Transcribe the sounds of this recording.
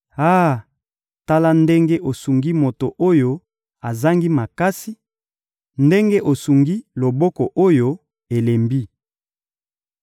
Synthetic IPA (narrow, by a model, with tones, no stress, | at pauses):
a˦˨ | ta˦la˦nde˦ŋɡe˦ʔo˨su˨ŋɡi˦mo˨to˨ʔo˦jo˦ | a˨za˦ŋɡi˦ma˨ka˦si˦ | nde˦ŋɡe˦ʔo˨su˨ŋɡi˦lo˨bɔ˦kɔ˨ʔo˦jo˦ | e˨le˨mbi˦